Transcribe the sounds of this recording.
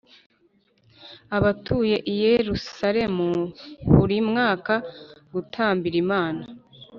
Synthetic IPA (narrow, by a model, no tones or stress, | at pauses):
aβatʰuːje̞ʔijeɾusaɾe̞muβuɾimŋaːkaɡutʰaːmbiɾimaːna